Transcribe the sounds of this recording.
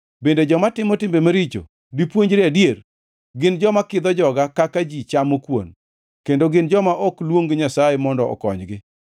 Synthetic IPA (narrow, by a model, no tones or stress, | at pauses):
bended͡ʒɔmatɪmɔtɪmbemaɾit͡ʃo̰ | dipwoɲd͡ʒɾeadjer | ɡɪnd͡ʒɔmakɪd̪ɔd͡ʒɔɡakakad͡ʒit͡ʃamokwo̰n | kendoɡɪnd͡ʒɔmaʔɔklwoŋɡɲasajemɔndɔɔ̰kɔɲɡɪ